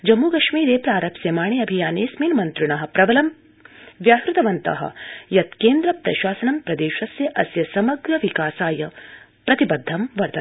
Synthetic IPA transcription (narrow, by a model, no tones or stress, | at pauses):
d͡ʒɐmːuːkɐʃmiːɾeːpɾaːɾɐpseːmaːɳeɐbʱijaːneːsmiːnmɐnt̪ɾuɳɐɦɐ̆pɾɐbɐlɐm | ʋjaːkɾut̪ɐʋɐnt̪ɐ̰ɦɐ̰jɐt̪keːnd̪ɾɐpɾɐ̰ʃaːsɐnɐmpɾɐd̪eːʃɐsjɐʔɐsjɐsɐmɐɡɾɐʋikaːsaːjɐ | pɾɐt̪ibɐd̪ʱːɐmʋɐɾd̪ɐ